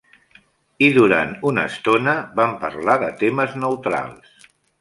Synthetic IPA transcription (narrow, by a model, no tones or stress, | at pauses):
iðuɾa̰nt̪unə̰st̪onəβampə̰ɾlaðət̪eməznəwt̪ɾa̰lˠs